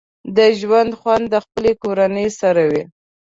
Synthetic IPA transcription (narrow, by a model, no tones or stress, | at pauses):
d̪əʒwand̪xwand̪ːəxpəlekoɾanəjsaɾawi